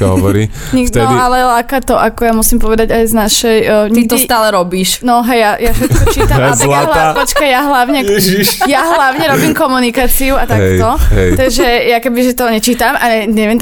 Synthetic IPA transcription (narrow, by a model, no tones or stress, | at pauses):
aɦɔ̰ʋɔɾiɲifɛdɔialɛlaːkat̪ɔʔakɔjamusimpɔʋɛd̪aɟajznaʃɛjɲit̪ɔst̪aːlɛɾɔbiːʃnɔɦɛjjajafʃɛt̪̚kɔt͡ʃiːt̪amlalapɔt͡ʃkajjaɦlaʊɲɛɛijaɦlaʊɲɛɾɔbiːmkɔmunikaːt͡siuat̪aɦkɛj̪ɔɦɛjt̪aɡʒɛjakɛbiʒɛt̪ɔɲɛt͡ʃiːt̪amʔaɛɲɛʋɛn